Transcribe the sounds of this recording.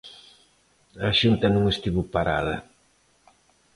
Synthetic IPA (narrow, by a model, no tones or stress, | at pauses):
aʃunt̪anuŋest̪iβupaɾa̰ðɐ̰